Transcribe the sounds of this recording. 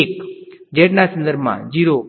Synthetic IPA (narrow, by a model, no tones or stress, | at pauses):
ekd͡ʒeːʈnasə̃nd̪əɾbʱmã̰d͡ʑiːɾo